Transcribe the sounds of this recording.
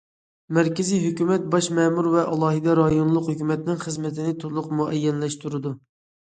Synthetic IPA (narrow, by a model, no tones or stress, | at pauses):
mæɾkʲɪzijɦøkʲymɛt̪̚bɑʃmɛmuɾvɛʔɑlˠɑːɦɨd̪ɛɾɑjonlˠʊqhøkʲymɛt̪nɪŋχəzmɪt̪ʰɪnɪt̪ʰoɾlˠʊqmuʔɛjːɛnlɛʃt̪uɾɨd̪u